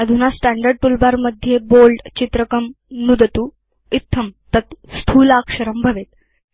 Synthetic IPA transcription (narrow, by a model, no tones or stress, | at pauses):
əd̪ʱunasʈæɳɖəɾɖ̚tulbaɾməd̪ʱːjebolɖt͡ɕit̪ɾəkəmnud̪ət̪u | it̪ʰːəmt̪ət̪skʰuːlakʂəɾəmbʱəʋet̪